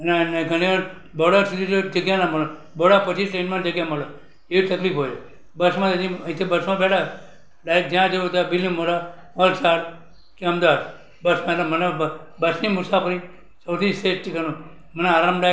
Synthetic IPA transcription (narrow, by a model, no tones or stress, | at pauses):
nenɡʱəñiʋaɾ | bəɽəɾsud̪ʱid͡ʒod͡ʒəɡjanaməlo | bəɽapət͡ʃʰiʈɾẽnmãd͡ʒəɡjaməla | eʋit̪əklipɦoje | bəsmãt̪əd̪iəĩt̪ʰibəsmãbɛʈʰa | ɖajkd̪jãd͡ʒət̪abilːiməɽa | məlsaɽ | keəmd̪ad̪ | bəsmãnaməneb | bəsnimʊsapʰəɾi | səwt̪ʰisesʈikənũ | məneaːɾamɖa